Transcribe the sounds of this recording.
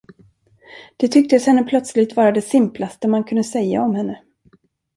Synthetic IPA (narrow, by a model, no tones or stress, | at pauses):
d̪̥ɛt̪ʰʏk̚t̪əshɛnːəpʰlœt̪slɪɡt̪vɑːɾad̪ɛsɪmplast̪əmankʰɵnd̪əsɛjːa̰ɔmhɛnːə